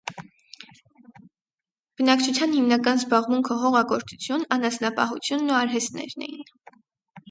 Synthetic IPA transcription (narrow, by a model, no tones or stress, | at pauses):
b̥ənɑkt͡ʃʰut͡sʰjɑnhimnɑkɑnzbɑʁmuŋkʰəɦɔʁɑkɔɾt͡sʰu̥t͡sʰjunɑnɑsnɑpɑ̰ɦut͡sʰjunːuɑɾɦɛst̪nɛ̰ɾnɛ̰jḭn